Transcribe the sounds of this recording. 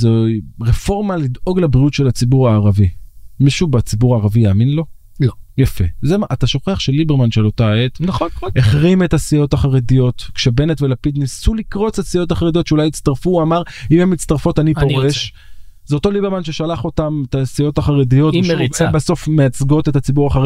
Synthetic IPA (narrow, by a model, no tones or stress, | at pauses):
zeʁefo̞ʁmalid̪o̞ɡlebʁiutʃe̞lat͡sibuʁaːʁavimiʃubat͡sibuʁaːʁavijaːminlo̞ | jafezemaʔataʃo̞χe̞aχʃelːibeʁmanʃelotaet̪neχʁimetasijo̞taχaʁedijo̞tkʃebe̞netvelapid̪nisulikʁo̞t͡sasio̞taχaʁedio̞tʃeulajit͡st̪aʁfuamaʁimemitt͡st̪aʁfo̞tanipo̞ʁeʃ | zeoto̞libe̞ʁmanʃeʃalaχo̞tametasijo̞taχaʁedijo̞tebaso̞fmeat͡sɡo̞te̞t̪at͡sibuʁaχa